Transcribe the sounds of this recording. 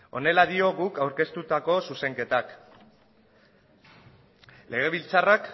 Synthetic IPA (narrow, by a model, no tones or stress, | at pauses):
o̞̰ne̞laðio̞ɣukawɾke̞st̪ut̪ako̞suse̞ŋke̞t̪ak | le̞ɣ̞e̞β̞ilt͡sarak